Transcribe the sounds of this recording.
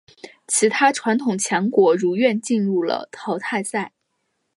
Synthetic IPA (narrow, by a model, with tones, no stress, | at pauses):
t͡ɕʰi˧˥t̪ʰa˥ʈ͡ʂʰwa˧˥nt̪ʰʊ˨˩ŋt͡ɕʰjɑ˧˥ŋkwɔ˧˥ɻu˧˥ɥɛ˥˧nt͡ɕi˥˧nɻu˥˩lə̰˩t̪ʰɑ˥ʊt̪ʰa˥˧ɪsa˥˩ɪ